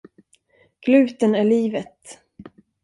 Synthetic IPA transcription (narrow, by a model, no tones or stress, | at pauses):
ɡ̥lʉ̟ːt̪ənæɭiːvət̪